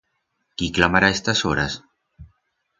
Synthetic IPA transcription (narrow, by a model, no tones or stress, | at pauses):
kiklamaɾaest̪asoɾa̰s